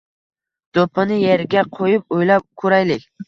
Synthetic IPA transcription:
d̪̥opʰɪnɪjeɾɡʲaqʰojɪp̚ojlap̚kʰʊɾajlɪkʲ

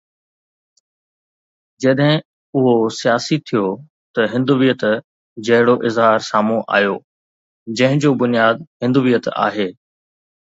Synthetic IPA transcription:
d͡ʑɐɗɦɪ̃ | ʊɦosijaːsit̪ʰijo | t̪ɐɦɪ̃nd̪uːʋijət̪ | d͡ʑɐɦɪɽoʔɪzɦaːɾsaːmũʔa̰ːjoː | d͡ʑɐ̃ɦɪ̃d͡ʑoːbʊnijaːd̪ɦɪ̃nd̪uːʋijət̪a̰ːɦeː

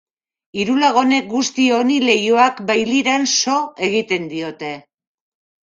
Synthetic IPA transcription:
iɾulaɣ̞o̞ne̞k̚ɡust̪io̞nile̞joakbajliɾanso̞e̞ɣ̞it̪e̞nd̪io̞t̪e̞

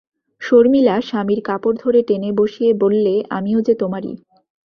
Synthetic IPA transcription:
ʃoɾmilaʃamiɾkapoɾd̪ʱoɾeʈeneboʃiebolːea̰miod͡ʑet̪omaɾḭ

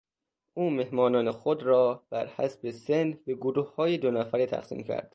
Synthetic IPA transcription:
ʔuːme̞hmɒːnɒːnexod̪ɾɒːb̥æɾhæ̰sbesenbe̞ɡoɾuːhhɒːjed̪onæfæɾet̪ʰæ̰xsḭːmcʰæ̰ɾd̪̥

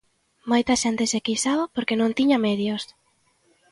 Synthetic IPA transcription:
mojt̪ɐʃent̪ɪsekisaβpoɾkenõŋt̪iɲɐmɛðjos

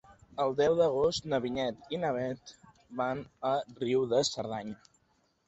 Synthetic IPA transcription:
əlˠd̪ɛwðəɣ̞ost̪nəβiɲɛt̪inəβɛt̪ | banəriwðəsəɾðaɲə

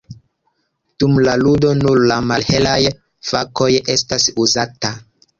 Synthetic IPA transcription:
d̥umlaludo̞nuɾlamalhe̞laj | fako̞je̞stasuzata

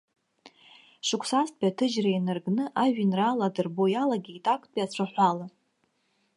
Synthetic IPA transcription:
ʂʷɨkʷʰsastʰʼbʲʼiatʰɨd͡ʒrainɨrɡnɨʔaʒᶣɪnraladɨrbojalaɡʲiːtʼakʷʼʰpʼat͡ɕʷʰaħʷala

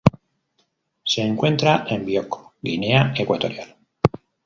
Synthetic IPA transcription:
se̞ːŋkwẽ̞nt̪ɾaʔe̞mbjoko̥ɡine̞aekwat̪o̞ɾjal

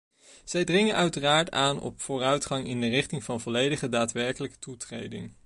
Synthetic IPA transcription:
z̥ɛjdrɪŋənœɥtəraːɹtaːnɔ̰pfʊːrœɥtχɑŋɪndərɪχtɪŋvɑnvɔlejdəχədaːtʋɛɹkələkə̥tutrḛjdɪ̰ŋ

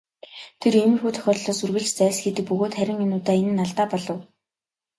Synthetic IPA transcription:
t̪ʰeremɘ̆rxuːt̪ʰœ̥xʲɔːt̪ɮɔːsɵrɣɘ̆ɮt͡ɕt͡sæːsɡet̪ɘ̆k̚pɵɣoːt̪χæɾʲɪ̆ŋenʊːt̪æːenɘ̆nːaɮt̪aːpɔɮɞ̆w

